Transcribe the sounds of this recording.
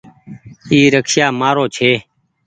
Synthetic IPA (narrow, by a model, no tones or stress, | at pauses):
iːɾəkʰʃaːmaːɾoːt͡ʃʰeː